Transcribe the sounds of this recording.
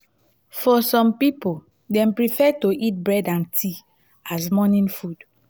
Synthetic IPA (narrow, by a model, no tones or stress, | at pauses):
fɔsɔ̃mpipo | dɛ̃mpɹifɛtoʔit̚bɹɛdãntʰi | as̬mɔnĩnfud̥